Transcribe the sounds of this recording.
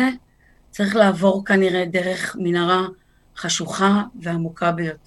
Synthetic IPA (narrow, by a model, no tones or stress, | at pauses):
e | t͡saʁiχlaːvo̞ʁkaniʁe̞de̞ʁe̞χminaʁa | χaʃuχaveamukʰabejote